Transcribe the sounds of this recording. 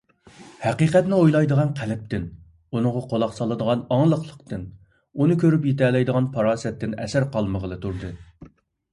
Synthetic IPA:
hæqiqɛt̪nɪojlˠɑjd̪əʁɑnqʰælɪp̚t̪ɪn | unɨŋʁɑqʰolˠɑqsɑlˠɨd̪əʁɑnɑŋlˠəqlˠə̥qt̪ɨn | unɨkʲʰøɾypjet̪ɛlˠɛjd̪əʁɑnpʰɑɾɑːsɛt̪ːɪnɛ̰sæɾqɑlˠməʁəlˠɨt̪ʰuɾd̪ɨ

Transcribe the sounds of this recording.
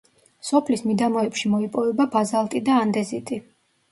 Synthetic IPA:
sɔpʰlismid̪amɔɛpʃimɔipʼɔvɛbabazalˠt̪ʼid̪aːnd̪ɛzit̪ʼi

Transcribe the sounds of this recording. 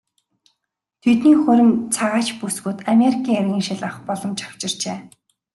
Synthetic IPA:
t̪ʰet̪niːxɵɾʲɘ̆mt͡sʰaʁaːt͡ɕpusɡŭːt̪amʲeɾikʰiːŋerɣʲiːŋʃɪɮaχpɔɮɞ̆mt͡ɕḁw̥t͡ɕɪ̆r̥t͡ɕeː

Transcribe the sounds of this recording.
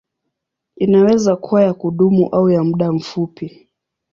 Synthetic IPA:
inawɛzakuwajakuɗumṵʔaujam̩ɗam̩fupi

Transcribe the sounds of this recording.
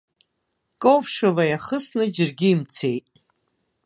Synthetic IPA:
kʼowvʂavajaχəsnɨd͡ʒɪrɡʲɪːmt͡sʰejtʼ

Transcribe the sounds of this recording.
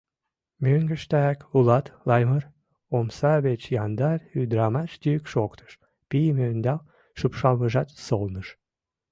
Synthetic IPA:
møŋɡəʃt̪æækulɑt̪lɑjmər | omsɑβet͡ɕjɑnd̪ɑryd̪ɾɑmɑʃt̪yəkʃokt̪ʰə̥ʃ | pijmønd̪ɑl | ʃupʃɑlməʒɑt̪solnəʃ

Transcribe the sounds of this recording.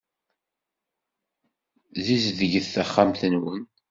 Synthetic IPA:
ðizðəʝəθθæχːamθənwən

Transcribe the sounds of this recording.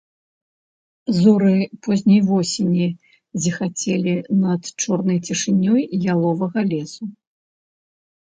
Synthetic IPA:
zuɾɨpɔzʲnʲɐjvɔsʲenʲi | zʲixat͡sʲɛlʲinɐt̪t͡ʂɔrnɐjt͡sʲiʂɨnʲːɔjjalˠɔvɐɣɐlʲɛsu

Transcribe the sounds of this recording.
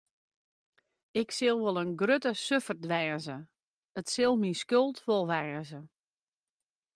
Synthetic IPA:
ɪksɪlˠʋolˠənɡrøtəsøfərdʋɛːzə | ətsɪlˠminskølˠtʋolˠʋɛːzə

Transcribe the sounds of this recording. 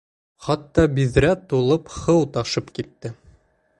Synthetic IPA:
χɑt̪ːɑbiðɾæt̪ulˠɤpχɤwt̪ɑʃɤpkit̪ːɘ

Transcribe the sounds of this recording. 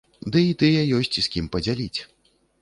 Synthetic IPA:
d̪ɨit̪ɨjɐjɔsʲt͡sʲisʲkʲimpɐd͡zʲalʲit͡sʲ

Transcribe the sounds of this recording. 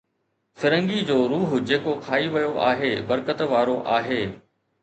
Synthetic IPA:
sɪɾə̃ŋɡid͡ʑoːɾuːɦʊd͡ʑeːkokʰaːiʋɐjoʔa̰ːɦeːbɐɾkət̪ʋaːɾoʔaːɦeː

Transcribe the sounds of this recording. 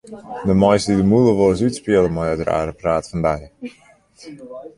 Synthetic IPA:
dəmɔjsdidəmulˠəʋoəsytspiələmɔjədra̰ːɾəpraːtfɔndaj

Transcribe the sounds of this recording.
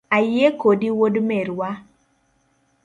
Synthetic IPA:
ajekodiwodmɛɾwa

